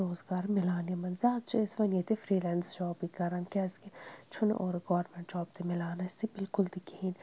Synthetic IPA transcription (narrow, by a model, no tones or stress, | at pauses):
oːzɡaːɾmɪlaːnijɐmɐnzaːt̪̚t͡ʃʰiɪsʋɐnjet̪ifɾiːlɛːnsd͡ʒɔːpikɐɾɐnkɛːsket͡ʃʰʊn̰ʔoːɾɡɔːɾmẽɳʈd͡ʒɔːb̚t̪imɪlaːnɐɪst̪ibɪlkʊld̪ɪkiːn